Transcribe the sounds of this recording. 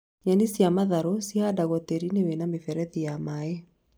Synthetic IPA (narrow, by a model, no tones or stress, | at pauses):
ɲanisjamaðaɾosiadaɣɔteɾinewenamefɛɾɛðijamae